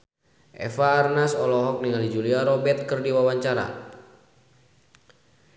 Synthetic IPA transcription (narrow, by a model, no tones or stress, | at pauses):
ʔɛ̰faːrnasɔlɔɦɔk̚niŋalid͡ʒuliaɾɔbɛt̪̚kɨrdiwawaɲt͡ʃaɾa̰